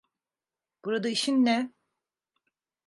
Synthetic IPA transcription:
b̥uɾad̪aiʃinːɛ

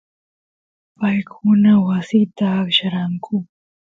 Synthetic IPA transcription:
pajkunawasit̪akɕaɾaŋkʰu

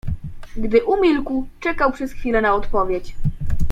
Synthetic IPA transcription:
ɡd̪ɘʔumʲilkwt͡ʂɛkawpʂɛsxfʲilɛnaɔt̪pɔvʲjet͡ɕ

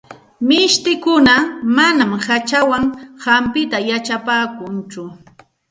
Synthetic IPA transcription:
mɪʃt̪ɪkʊnamanamhat͡ʃawaŋhampɪt̪ajat͡ʃapaːkʊnt͡ʃʊ

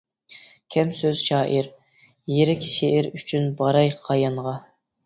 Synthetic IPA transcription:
kʲʰɛmsøz̥ʃɑːʔiɾ | jeɾɛkʲʃeʔɪɾyt͡ʃʰynbɑɾɑjqʰɑjɑnʁɑ

